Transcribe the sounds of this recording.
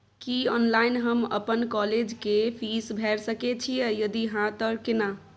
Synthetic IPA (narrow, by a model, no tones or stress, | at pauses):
kiɔnlainɦəmə̰pənkɔled͡ʒkepʰisbʱɛɾsəket͡ʃʰijejəd̪iɦãt̪əkena